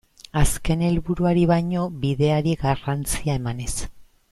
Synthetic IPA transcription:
aske̞ne̞lβuɾuaɾiβajɲo̞βiðe̞aɾiɣarant͡siaemane̞s

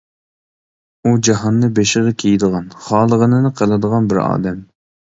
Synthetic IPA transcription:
ud͡ʒɑɦɑnːɨbeʃɪʁɛkʲʰejd̪əʁɑnχɑːlˠəʁənɨnɨqʰəlˠɨd̪əʁɑnbɪɾɑ̰ːd̪ɛm

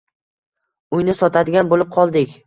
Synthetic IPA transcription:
ʊjnɪsɒt̪ʰad̪ɪɡʲanbolɪp̚qʰɒlˠd̪ɪkʲ

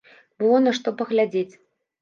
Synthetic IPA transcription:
bɨlˠɔnaʂt̪ɔpɐɣlʲad͡zʲet͡sʲ

